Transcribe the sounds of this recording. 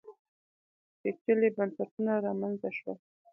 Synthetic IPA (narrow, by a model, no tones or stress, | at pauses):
d̪̥et͡ʃəlebansaʈunaɾɑmanzaʃwa̰